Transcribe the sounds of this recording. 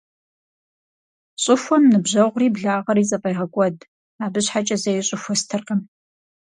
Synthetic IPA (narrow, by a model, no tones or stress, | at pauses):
ɕʼɪxʷɔmnɨbʑɐʁʷʊriːbɮaːʁɐɾiːzʼɐpʼɐjʁɐkʷʼɔd | aːbɨɕħat͡ʃʼɐzɐjɪɕʼɪxʷɔstʰɨrqɐm